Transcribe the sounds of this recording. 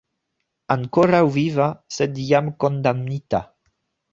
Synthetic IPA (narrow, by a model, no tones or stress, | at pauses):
aŋkoɾawvivasɛd̪iamkond̪amnit̪a̰